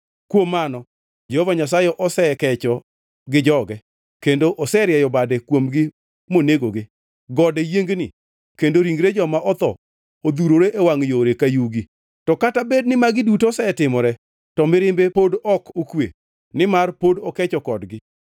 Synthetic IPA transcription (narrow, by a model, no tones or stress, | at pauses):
kwomːanɔ | d͡ʒehɔvaɲas̬ajɛʔɔsɛkɛt͡ʃɔ | ɡɪd͡ʒɔɡɛ | kendoʔɔsɛɾjɛjɔbadekwomɡɪ | moneɡoɡɪ | ɡɔdɛjeŋɡnɪ | kendoɾiŋɡɾed͡ʒɔmaʔɔt̪ɔ | od̪uɾoɾeʔewaŋjoɾekajuɡi | tɔkatabednɪmaɡɪdutosɛtɪmɔɾɛ | tɔmɪɾɪmbepodɔkokwḛ | nɪmarpodɔkɛt͡ʃɔkɔdɡɪ